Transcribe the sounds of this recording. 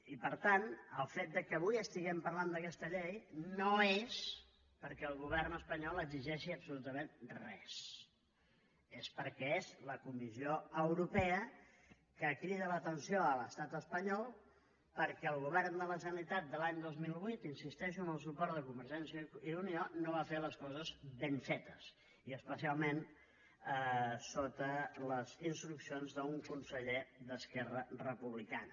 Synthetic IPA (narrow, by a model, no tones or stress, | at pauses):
ipəɾt̪anəlˠfet̪̚d̪əkəːβujəst̪iɣɛmpəɾland̪əkɛst̪əʎejnoes | pəɾkɛəlˠɣuβ̞ɛrnəspəɲɔlˠəɡziʒɛʃiəbsulut̪əmenrɛ̰s | espəɾkɛezləkumizioəwɾupɛə | kəkɾiðələt̪ənsioələst̪at̪əspəɲɔlˠ | pəɾkɛəlˠɣuβɛrnd̪ələzənit̪at̪̚d̪əlaɲd̪ozmilˠβwut̪insist̪ɛʃənəlˠsupɔɾt̪d̪əkumbəɾʒɛnsiəiunionoβafeləskɔzəzbeɱfɛt̪əs | iəspəsialˠmen | əsot̪ələzinst̪ɾuksionzðəuŋkunsəʎeðəskɛrərəpuβlikanə